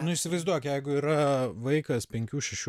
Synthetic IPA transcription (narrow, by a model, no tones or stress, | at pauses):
nʊɪʃʲsʲɪʋɐɪzd̪uɔjkʲjɛɪɡʊiːɾɐʋɐɪkɐspʲɛŋʲkʲuːʃʲɛʃʲu